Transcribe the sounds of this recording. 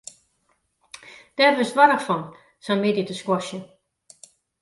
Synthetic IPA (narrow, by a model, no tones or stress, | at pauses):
d̥ɛrʋɪsʋɔɾəxfɔn | sɛmeditəskwɔʃjə